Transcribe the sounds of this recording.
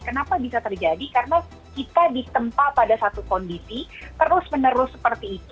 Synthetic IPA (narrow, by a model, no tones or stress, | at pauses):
kənapabisat̪ərd͡ʒadikaɾəna | kit̪adit̪əmpapadasat̪ukɔndisit̪əɾʊsmənəɾʊsːə̥pərt̪iːt̪u